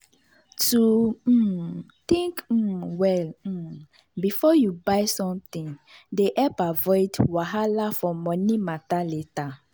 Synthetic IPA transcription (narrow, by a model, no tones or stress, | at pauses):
tu | t̪ĩŋk̩wɛl̩ | bifɔjubaɪsɔ̃mt̪ĩndeʔɛpavɔɪdwaɦalafɔmɔ̃nimataleta